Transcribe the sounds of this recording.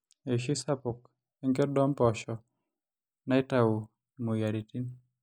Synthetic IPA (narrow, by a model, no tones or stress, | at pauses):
ɛʃisapuk | ɛŋɡɛdɔmpɔʃɔ | naitau | mujaɾitin